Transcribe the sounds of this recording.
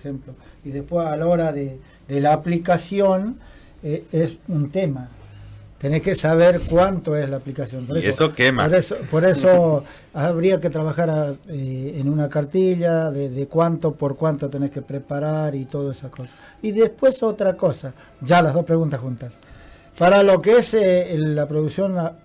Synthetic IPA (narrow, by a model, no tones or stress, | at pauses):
xemploiðespwesalaoɾaðe | d̪elaːplikasjo̞n | eesunt̪e̞mat̪eneske̞saβ̞eɾkwant̪oeslaːplikasjo̞mpoɾeeosokema̰oɾesopoɾeso | aβɾiaket̪ɾaβ̞axaɾaeːnunakaɾt̪iʎaðeðekwant̪o̞poɾkwant̪ot̪e̞neɾke̞pɾepaɾaɾit̪o̞ð̞oesasko̞sḁs | iðespwe̞so̞t̪ɾako̞sa | ʒalazðospɾe̞ɣunt̪asunt̪as | paɾalo̞keeseːapɾoðuksjo̞na